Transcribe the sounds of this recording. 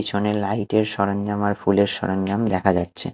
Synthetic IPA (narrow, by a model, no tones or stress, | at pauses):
it͡ɕʰonelajʈeɾʃɔɾonːamaɾfuleɾʃɔ̰ɾonːamd̪ɛkʰad͡ʑatːɕʰe